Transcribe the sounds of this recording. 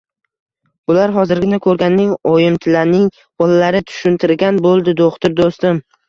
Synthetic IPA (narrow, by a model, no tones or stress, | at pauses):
bʊlaɾɦɒzɪɾɡʲɪnɪkʰɵɾɡʲanːɪŋojɪmt̪ʰɪlaɾnɪŋ | b̥ɒlalaɾɪt̪ʰʊ̥ʃʊnt̪ʰɪɾɡʲanbolˠd̪ɪd̪oχt̪ʰʊɾd̪ost̪ɪm